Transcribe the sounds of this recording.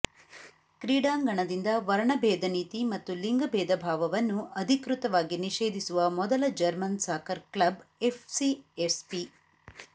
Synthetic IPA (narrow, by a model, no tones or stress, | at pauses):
kɾiːɖaːŋɡɐɳɐd̪ind̪ɐʋɐɾɐɳɐbɛːd̪ɐniːt̪imɐt̪ːuliŋɡɐbɛːd̪ɐbʱaːʋɐʋɐnːuʔɐd̪ʱikɾut̪ɐʋaːɡiniʃeːd̪ʱisuʋɐmɔd̪ɐlɐd͡ʒɐɾmɐnsaːkʰɐɾklɐbepʰsiespi